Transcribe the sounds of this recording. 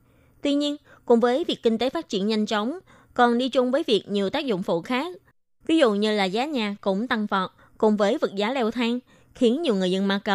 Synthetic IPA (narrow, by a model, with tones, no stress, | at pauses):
t̪wi˧ɲi˧ən | kʊ̰˨˧˩ŋ͡mvəː˨˦jvi˨˩ək̚ːi˧ŋ̟t̪e˨˦faː˦˥t̚t͡ɕḭ˧˩ənɲa˧jŋ̟t͡ɕə˨˦wŋ͡m | kɔ˨˩nɗi˧t͡ɕʊ˧ŋ͡mvəː˨˦jvi˨˩ək̚ɲi˨˩əwt̪aː˦˥k̚zʊ̰˧˨ŋ͡mfṵ˧˨xaː˦˥k̚ | vi˨˦zʊ̰˧˨ɲɨ˧laː˨˩zaː˨˦ɲaː˨˩kʊ̰˧˥ŋ͡mt̪a˧ŋvɔ˨˩t̚ | kʊ˨˧˩ŋ͡mvəː˨˦jvɨ˨˩t̚zaː˨˦lɛ˧wt̪ʰaː˧ŋ | xi˨˦ənɲi˨˩əwŋɨ˨˩əzə˧nmaː˧kə˧˩